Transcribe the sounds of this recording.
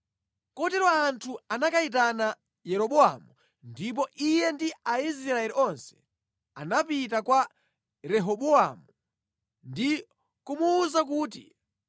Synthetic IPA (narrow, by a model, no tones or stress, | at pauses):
kɔtɛɾɔantʰuanakait̬ana | jɛɾɔɓɔa̰mu | ndip̬ɔʔijɛndiaizɾɾaɛɾiɔnsɛ̥ | a̰napit̬akwa | ɾɛɦɔɓɔa̰mu | ndi | kumuːzakuːtḭ